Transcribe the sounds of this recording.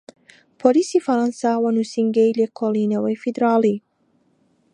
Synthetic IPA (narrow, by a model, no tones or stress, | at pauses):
pʰolisifɐɾansawɐnusiŋɡejlekʰolˠinɐwɐjfid̪ɾɑːli